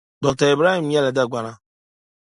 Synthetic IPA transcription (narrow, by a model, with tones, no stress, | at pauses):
ɡ͡bɔ˨ta˨e˨bɾa˦i˨m̩˦ja˦le˨da˦˨ɡʷa˨na˦